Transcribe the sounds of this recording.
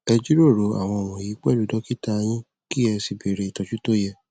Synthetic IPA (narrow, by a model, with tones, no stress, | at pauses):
ɛ˧d͡ʒu˦ɾo˦˨ɾo˨˦a̰˨w̃ɔ̃˧o˨w̃ɔ̃˨ji˨˦k͡pɛ˦˨lu˨˦dɔ˦ki˦ta˦˧j̃ĩ˦ | ki˦ɛ˧si˨be˨ɾe˧i˨tɔ˨˧d͡ʒu˦to˦jɛ˦˨